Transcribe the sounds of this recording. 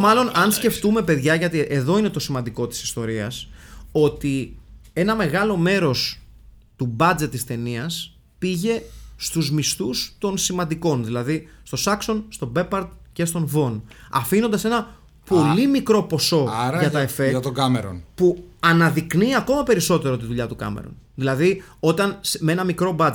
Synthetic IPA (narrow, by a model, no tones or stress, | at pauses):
mɐlo̞nɐnsce̞ft̪ume̞pe̞ðʝɐʝɐt̪iʔe̞ðo̞ine̞t̪o̞simɐnd̪iko̞t̪i̥si̥st̪o̞ɾiɐ̰so̞t̪ie̞nɐme̞ɣɐlo̞me̞ɾo̞s | t̪ubɐd͡ze̞t̪ːist̪e̞niɐs | piʝe̞st̪uzmist̪ust̪o̞nsimɐnd̪iko̞nðilɐðist̪o̞sɐkso̞nst̪o̞be̞pɐɾd̪ce̞st̪o̞nvo̞nɐ̰fino̞nd̪ɐse̞nɐ | polimikɾo̞po̞so̞ʝɐɐefet̪oɡɐmeɾo̰npuɐnɐðikniɐko̞mɐpe̞ɾiso̞t̪e̞ɾo̞t̪̬iðuʎɐt̪ukɐ̰mḛɾo̞̰n | ðilɐðio̞t̪ɐnsmee̞nɐmikɾo̞bɐd͡z